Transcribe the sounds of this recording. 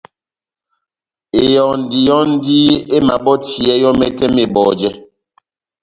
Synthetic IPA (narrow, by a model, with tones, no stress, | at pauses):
e˨jɔ˨n̩˨di˨jɔ˦n̩˦di˦e˦ma˨bɔ˦ti˨ɛ˦jɔ˦mɛ˦tɛ˦me˨bɔ˨d͡ʒɛ˦